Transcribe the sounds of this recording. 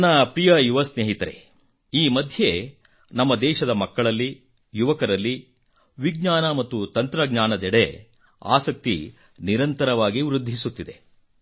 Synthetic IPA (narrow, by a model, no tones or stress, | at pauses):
nːɐpɾijɐjuʋɐsneːɦit̪ɐɾe̞̰ | iːmɐd̪ʱje | nɐmːɐd̪ɛːʃɐd̪ɐmɐkːɐɭɐlːi | juʋɐkɐɾɐlːi | ʋiɡɲaːnɐmɐt̪ːut̪ɐnt̪ɾɐɡɲaːnɐd̪ɛɽe | a̰ːsɐk̚t̪i | niɾɐnt̪ɐɾɐʋaːɡiʋɾud̪ʱːisut̪ːid̪e̞